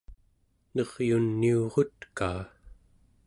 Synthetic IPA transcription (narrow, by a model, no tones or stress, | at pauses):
nʌʁjunːioʁot̪kaː